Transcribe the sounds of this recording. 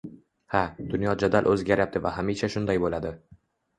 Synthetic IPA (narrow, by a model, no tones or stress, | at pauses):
had̪̥ʊnjɒd͡ʒad̪alʔɵzɡʲaɾjap̚t̪ʰɪvahamiʃaʃʊnd̪ajbolad̪ɪ